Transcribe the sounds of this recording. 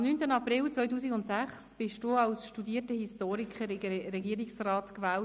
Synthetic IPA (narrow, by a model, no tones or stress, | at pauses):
mnyːntənɑprɪlt͡sʋœjtuːsiɡʊntsæχsb̥ɪʃd̥uɑwsʃtudiːətəhistoːɾikχəɾrɛɡiəɾɪksrɑːtkvɛːl